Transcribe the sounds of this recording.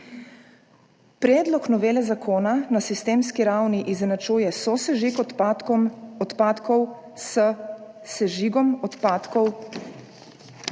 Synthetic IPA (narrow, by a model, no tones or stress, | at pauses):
pɾɛːd̪lɔknɔʋeːlɛzakʰoːnanasist̪eːmskiɾawniʔiznat͡ʃuːjɛsɔsɛʒik̪ | ɔt̪paːt̪kɔw | s | sɛʒiɡɔmɔt̪paːt̪kɔw